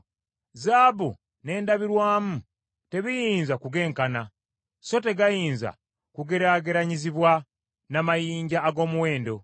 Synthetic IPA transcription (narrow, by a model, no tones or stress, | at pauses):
zaːβṵ | ne̞ːndaβiɾwaːmu | te̞βijiːnzakuɡe̞ːŋkana | so̞te̞ɡajiːnza̰ | kuɡe̞ɾaːɡe̞ɾaɲiziβwa | namajiːɲɟaːɡo̞ːmuwe̞ːndo̞